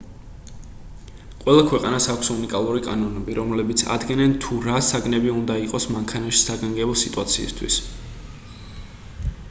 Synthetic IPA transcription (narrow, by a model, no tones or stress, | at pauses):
qʼwɛlˠakʰwɛqʼanasakʷʰsunikʼalˠuɾikʼa̰nɔnɛbiɾɔmlɛbit̪sʰa̰d̪ɡɛnɛnt̪ʰuɾasaɡnɛbiund̪aiqʼɔsmaŋkʰanaʃi̥saɡaŋɡɛbɔsit̪ʼuat̪sʰḭːst̪ʰwḭs